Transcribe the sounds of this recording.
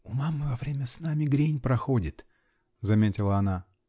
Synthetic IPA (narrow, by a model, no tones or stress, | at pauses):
ʊmamːɨvɐvɾʲemʲəsnamʲɪɡɾʲenʲpɾɐxodʲɪt̪ | zɐmʲetʲɪlˠəɐna